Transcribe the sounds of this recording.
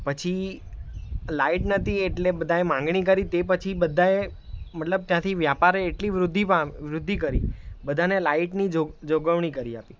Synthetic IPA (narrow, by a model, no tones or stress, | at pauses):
pət͡ʃʰi | laiʈnət̪ieʈlebəd̪ʱaemãŋɡɳ̃ikəɾit̪ep̬ət͡ʃʰibəd̪ʱae | mət̪ləb̚t̪jãt̪ʰiʋjapaɾeːʈliʋɾʊd̪ʱːipaʋɾʊd̪ʱːikəɾibəd̪ʱanelaiʈnid͡ʒod͡ʒoɡəʋɳ̃ikəɾia̰pi